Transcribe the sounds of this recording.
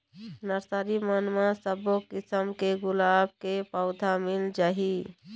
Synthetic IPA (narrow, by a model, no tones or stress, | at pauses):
nəɾsaɾimənmasəbokisəmkeɡʊlab̚kepəʊd̪ʱamild͡ʒaɦi